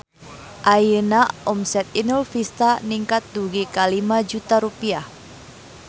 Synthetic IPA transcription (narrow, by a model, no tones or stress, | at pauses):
ʔajənaɔmsɛt̪̚inulfist̪aniŋkat̪̚d̪uɡikalimad͡ʒut̪aɾupiah